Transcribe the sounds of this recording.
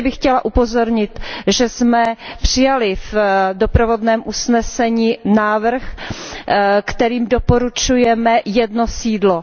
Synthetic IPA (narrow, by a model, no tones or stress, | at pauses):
bɪxcɛlaʔupo̞zo̞ɾɲɪt̪ʒɛsmɛpr̝̥ɪjalɪvdopɾovo̞dnɛːmʔusnɛsɛɲiːnaːvr̩x | kt̪ɛɾiːmdopo̞ɾut͡ʃujɛmɛjɛdno̞siːdlo